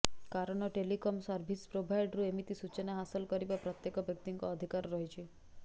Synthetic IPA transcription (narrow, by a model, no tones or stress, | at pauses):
kaɾɔɽ̃ɔʈelikɔmsɔɾbʱispɾobʱajɖɾuemit̪isut͡ʃɔnaɦasɔlkɔɾibapɾɔt̪jekɔbjɔk̚t̪iŋkɔːd̪ʱikaɾɾɔɦit͡ʃʰi